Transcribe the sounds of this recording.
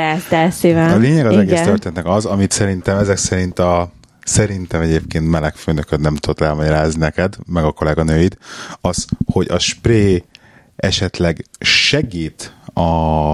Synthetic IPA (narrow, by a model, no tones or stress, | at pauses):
azasivɛɒleːɲɛɡɒzzɛɡɡeːst̪ørt̪eːnɛt̪nɛkɒzɒmit̪sɛɾint̪ɛmɛzɛksɛɾint̪ɒ | sɛɾint̪ɛmɛɟeːpkeːnt̪mɛlɛkføːnøkøt̪nɛmt̪ud̪ot̪ɛlmɒɟɒɾaːzninɛkɛd̪mɛɡɒko̞lɛɡɒnøːjit̪ɒzho̞ɟɒʃpreː | ɛʃɛt̪lɛɡʃɛɡiːt̪ɒ